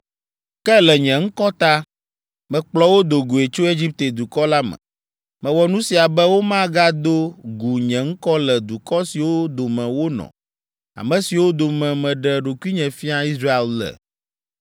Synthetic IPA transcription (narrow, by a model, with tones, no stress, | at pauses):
kɛ˦lɛ˨ɲɛ̃˨ŋ̩˦kɔ˦t̪a˦ | mɛ̃˨k͡plɔ˦wo˦d̪o˨ɡu˨e˨t͡ʃo˦e˦d͡ʑi˦p̚t̪e˨d̪u˨kɔ˦la˦mɛ̰̃˨ | mɛ̃˨wɔ˨nũ˦si˨a˨bɛ˦wo˦mã˦ɡa˦d̪o˦ɡu˨ɲɛ̃˨ŋ̩˦kɔ˦lɛ˨d̪u˨kɔ˦si˨wo˦d̪o˨mɛ̃˨wo˦nɔ̰̃˨ | a̰˨mɛ̃˨si˨wo˦d̪o˨mɛ̃˨mɛ̃˨ɖɛ˨ɖo˨ku˦i˦ɲɛ̃˨fi˦a˦i˦sɾa˦e˦llɛ̰˨